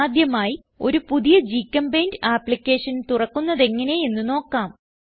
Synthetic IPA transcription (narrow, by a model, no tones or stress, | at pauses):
d̪jɐmaːji | o̞̰ɾupuðijɐd͡ʑiːkːɐmbejndaːplikʲːe̞ːʂɐnt̪urɐkːunːɐðe̞ŋːɐne̞je̞nːuno̞ːkːaːm